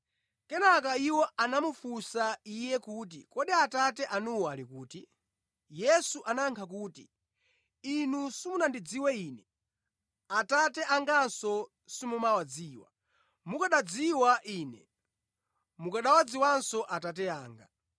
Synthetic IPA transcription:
kɛnakaiwɔanamufusaijɛkuːt̬ḭkɔɗiatatɛʔanuwalikuːti | jɛsuʔanaŋkʰak̬uːti | inusimunandid͡ziwɛiːnɛ | atatɛʔaŋɡansɔ | simumawad͡ziːwa̰ | mukaɗad͡ziwaʔiːnɛ̰ | mukaɗawad͡ziwansɔʔatat̬ɛaːŋɡa̰

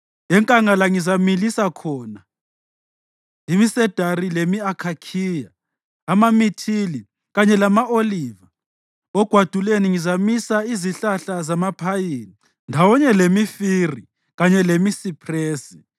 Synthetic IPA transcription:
ɛŋkʼaŋalaŋizamilisakʰɔːna | imisɛd̥ʱaɾilemiakʰakʰiːjaː | mamitʰili | ɣaɲɛlamaoliːva | ɔɡ̥ʱwad̥ʱuleniŋizamisaiziɬaɬazamapʰajiːni | ndʱawɔɲɛlemifiri | ɣaɲɛlemisipʰreːsi̥

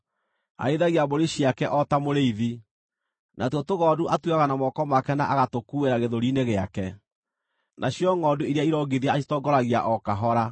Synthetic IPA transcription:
a̰eðaɣiaboɾeɕiakɛʔɔtamoɾeiði | nʔatɔtoɣɔːduʔatweaɣanamɔkɔmakɛna̰ʔaɣatokueɾaɣeðoɾineɣeakɛ | nʔaɕjɔŋɔduiɾeaiɾɔɡeðiaaʃitɔɡɔɾaɣiaʔɔkaɦɔɾa

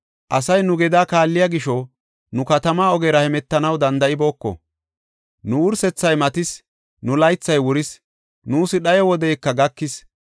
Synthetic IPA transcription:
ʔɐsɐjnʊɡɛd̪aːkaːlːɪjaɡɪʃɔ | nʊkɐt̪ɐmaːɔɡeːɾɐhɛmɛt̪ːɐnɐwd̪ɐnd̪ɐʔɪbo̞ːkːɔ̰ | nʊʊɾsɛt͡sːɐjmɐt̪ɪs | nʊlɐjt͡sːɐjwʊɾɪs | nuːsɪɗɐjɔwɔd̪ɛjkːɐɡɐkːɪs

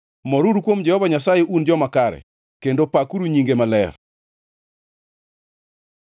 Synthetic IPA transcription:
mɔɾuɾukwomd͡ʒɛhɔvaɲasajeʔund͡ʒɔmakaɾɛ̰ | kendopakuɾuɲiŋɡemalɛ̰r

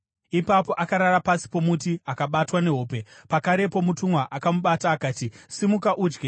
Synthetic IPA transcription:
ipapo̞ʔakaɾaɾapasi̥po̞mutiakaɓatwane̞ɦo̞ːpe̞pakaɾe̞po̞mutuŋwaʔakamuɓataːkaːtisimukaʔuːd͡ʒɡe

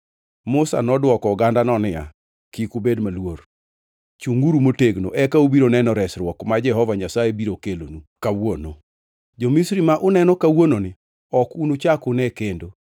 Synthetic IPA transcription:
mʊsa̰nɔdwɔkɔɡandanɔnɪa̰ | kikubedmalwor | t͡ʃuŋɡuɾumoteɡno̰ʔɛkaobiɾonɛnɔɾɛsɾwɔkmad͡ʒɛɦɔvaɲasajebiɾokelo̰nukawono̰ | d͡ʒomisɾimaʔʊnɛnɔkawononɪ | ɔkunut͡ʃakʊnɛkendo

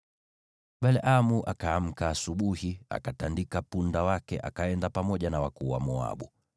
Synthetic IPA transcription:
ɓalʔamuʔakaːm̩kaːsuɓuhia̰katandikapundawakɛ̰ʔakaɛndapamɔʄanawakuwa̰mɔa̰ɓu

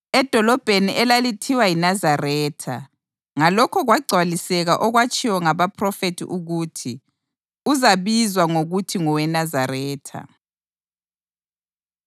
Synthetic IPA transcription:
ɛd̥ʱɔlɔb̥ʱeniʔɛlalitʰiwajinazarɛːtʰa̰ | ŋalɔkʰɔɣwaɡ͡ǀʱwalisɛɣaʔɔɣwat͡ʃʼiwɔŋaβapʰrɔfetʰḭʔuɣutʰi | uzaβizwaŋoɣutʰiŋɔwɛnazarɛːtʰa̰

